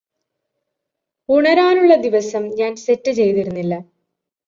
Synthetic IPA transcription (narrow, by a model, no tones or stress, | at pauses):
uɳɐɾaːnuɭːɐd̪iʋɐsɐmɲaːnse̞tːɨt͡ɕe̞jt̪iɾunːilːɐ